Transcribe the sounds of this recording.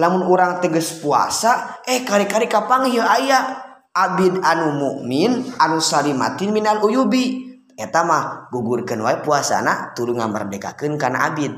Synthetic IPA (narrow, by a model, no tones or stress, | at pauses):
lamunuɾaŋt̪əɡəspua̰saɛhkaɾikaɾikapaŋjəaja | ʔabid̪anumuʔminanusaɾima̰t̪inminalujubi | ɛt̪amahɡuɡurkənwaɛpuasa̰nat̪uɾuŋamə̰rdɛka̰kɨnkarna̰ʔabid̪̚